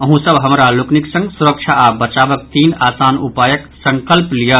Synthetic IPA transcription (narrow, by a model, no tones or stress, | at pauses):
əɦũsəbʱɦəmɾalukniksə̃ŋɡsuɾək̚t͡ʃʰaabət͡ʃabək̚t̪iːnasaːnupaːjəksəŋkəlplijə